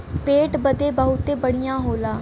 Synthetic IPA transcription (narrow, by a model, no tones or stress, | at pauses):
peːʈbəd̪eːbəɦʊt̪ːeːbəɽɪjãːɦoːlaː